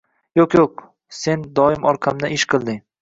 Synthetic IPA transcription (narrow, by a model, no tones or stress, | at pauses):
joqjoq̚ | se̞nd̪ɒɪmɒɾqʰamnaɪʃqʰɨlˠd̪ɪ